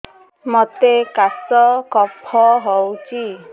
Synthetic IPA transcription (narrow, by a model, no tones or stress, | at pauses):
mɔt̪ekasɔkɔpʰɔɦɔwt͡ʃi